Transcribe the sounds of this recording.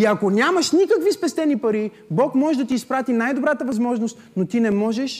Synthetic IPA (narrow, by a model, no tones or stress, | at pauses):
iɐkonʲamɐʃnikəkvispɛst̪ɛnipɐɾi | bɔkmɔʒɛd̪ɐt̪iːspɾat̪inajd̪obɾat̪əvɐzmɔʒnost̪not̪inɛmɔʒɛʃ